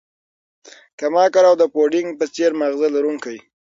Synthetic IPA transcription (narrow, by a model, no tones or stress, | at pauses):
kamɑkaɾawd̪əpoɖɪŋɡ̚pət͡seɾmaɣzalaɾuŋkaj